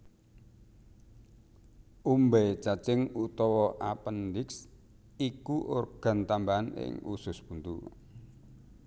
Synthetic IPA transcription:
ʔumbɛt͡ʃat͡ʃɪŋut̪ɔwɔʔapəndɪks | ikuʔorɡ̥a̤nt̪ambaanɪ̰ŋṵsʊspunt̪ṵ

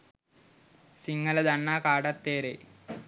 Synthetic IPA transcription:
siŋːɐlɐd̪ɐɳːaːkaːɽɐt̪ːeːɾḛ

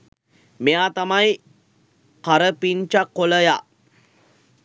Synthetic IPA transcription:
mejat̪amaj | kaɾəpiɲt͡ʃakːoləja

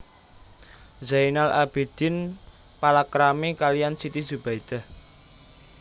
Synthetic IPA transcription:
zajnalʔa̰b̥ed̪̥ɪ̤n | palakɾamekalijansit̪izub̥aid̪̥a̤h

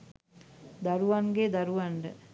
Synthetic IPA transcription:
d̪aɾuʋaŋɡed̪aɾuʋaɳɖə̰

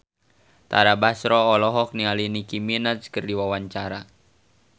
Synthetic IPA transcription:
t̪a̰ɾabasɾɔːlɔɦɔk̚nialinikiminat͡ʃkərdiwawaɲt͡ʃaɾa

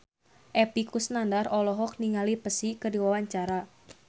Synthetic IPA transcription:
ʔɛpikusnandarɔlɔɦɔk̚niŋalipəsikədiwawaɲt͡ʃaɾa

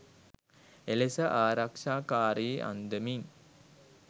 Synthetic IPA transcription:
elesəʔaːɾakʂaːkaːɾiʔa̰nd̪əmiŋ

